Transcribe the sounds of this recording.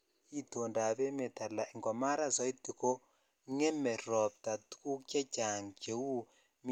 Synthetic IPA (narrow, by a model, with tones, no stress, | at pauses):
i˦to˨nda˨βɛ˦me˨ta˨la˨i˨ŋɡɔ˨ma˦ɾa˦˨sɔ˦i˦ti˨ko˦ | ŋɛ˦mɛ˨ɾɔ˨p̚ta˨tu̥˦ku˦ka˦t͡ʃa˨ŋt͡ʃe˨wu˦ | m